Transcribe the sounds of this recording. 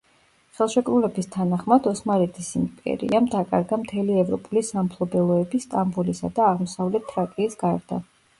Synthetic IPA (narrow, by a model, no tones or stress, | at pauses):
χɛlˠʃɛkʼɾulɛbist̪ʰanaχmad̪ɔsmaɾɛt̪ʰisimpʼɛ̰ɾḭamd̪akʼa̰ɾɡamt̪ʰɛliɛvɾɔpʼulisampʰlˠɔbɛlˠɔɛbist̪ʼambulisa̰d̪aːʁmɔsavlɛt̪ʰːɾakʼiːsɡaɾd̪a̰